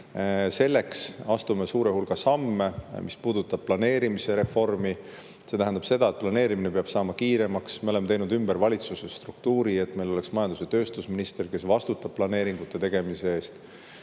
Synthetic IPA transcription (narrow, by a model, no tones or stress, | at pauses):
se̞lːe̞ksɑst̪ume̞suːɾe̞hulɡ̥ɑsɑmːe̞mispuːd̪ut̪ːˑɑb̥̚plɑne̞ːɾimise̞ɾe̞fo̞rmi | se̞t̪æɦænd̪̥ɑb̥se̞d̪ɑe̞t̪̚plɑne̞ːɾiminepeɑb̥sɑːmɑkiːɾe̞mɑksme̞o̞le̞mːet̪ejnud̪ymbe̞ɾvɑlʲit̪susest̪ruk̚t̪uːɾie̞t̪me̞jlo̞le̞ksmɑjɑnd̪use̞t̪ø̞ːst̪usminist̪erke̞svɑst̪ut̪ːˑɑb̥̚plɑne̞ːɾiŋɡ̥ut̪ːˑe̞t̪e̞ɡ̥e̞mise̞eːst̪